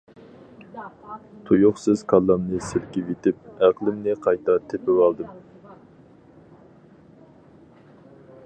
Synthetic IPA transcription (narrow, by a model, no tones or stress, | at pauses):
t̪ʰujʊχsɨz̥kʰɑlˠːɑmnɨsɪlkʲivet̪ɪp̚æqlˠɪmnɪqʰɑjt̪ɑt̪ʰɪpɪwɑlˠd̪ɨm